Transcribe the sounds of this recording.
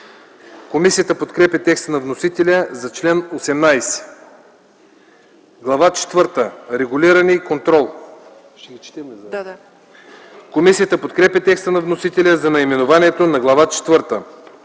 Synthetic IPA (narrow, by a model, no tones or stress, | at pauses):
komisijət̪əpot̪kɾɛpʲɐt̪ɛkst̪ənɐvnosit̪ɛlʲəzɐt͡ʃlɛnosɛmnajsɛ̥ | ɡlˠɐvat͡ʃɛ̥t̪vɤɾt̪əɾɛɡʊliɾənikont̪ɾɔlˠ | ʃɛɡit͡ʃt̪ɛ | komisijət̪əpot̪kɾɛpʲət̪ɛkst̪ənɐvnosit̪ɛlʲəzɐnɐimɛnovaniɛt̪onɐɡlˠɐvat͡ʃɛ̥t̪vɤɾt̪ə